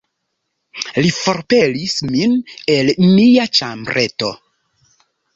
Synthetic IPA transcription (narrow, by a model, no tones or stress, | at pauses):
lifo̞ɾpe̞lismine̞lmiat͡ʃambɾʔe̞to̞̰